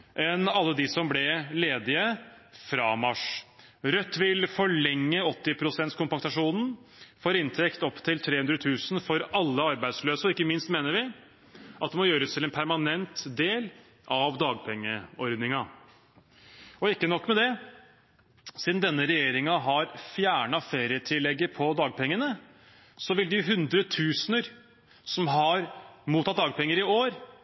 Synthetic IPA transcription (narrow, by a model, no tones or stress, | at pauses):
ʔɛnɑlːəd̪ɪsɔmblɛleːd̪ɪə | fɾɑmɑʂ | ɾœt̪ːʋɪlfɔɭɛŋːəɔt̪ːɪpʰɾʊsɛnt̪skʊmpɑt̪ɑʂuːnn̩foːɾɪnt̪ʰɛkt̪ɔpːt̪ʰɪlt̪ʰɾeːhʉnd̪ɾət̪ʰʉːsn̩fɔɾɑlːəɑɾbæɪd̪sløːsəɪkːəmɪnst̪meːnəɾʋɪ | ʔɑt̪̚d̪ɛmɔjøːɾəst̪ʰɪlɛnpʰæɾmɑnɛnt̪d̪eːl | ʔɑʋd̪ɑːɡ̚pʰɛŋːəɔɾd̪nɪŋɑ | ɔɪkːənɔkːmɛd̪ɛ | siːd̪nd̪ɛnːəɾɛjeːɾɪŋɑɦɑɾfjæːɳɑfeːɾɪət̪ʰɪlːɛɡːəpʰɔd̪ɑːɡ̚pʰɛŋːənə | sɔʋɪld̪ɪɦʉnd̪ɾət̪ʰʉːsnəɾ | sɔmɦɑɾmuːt̪ʰːɑt̪̚d̪ɑːɡ̚pɛŋːəɾɪoːɾ